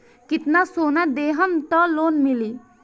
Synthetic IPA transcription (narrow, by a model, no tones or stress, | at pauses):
kit̪nasonad̪eɦəmt̪ɔlonmili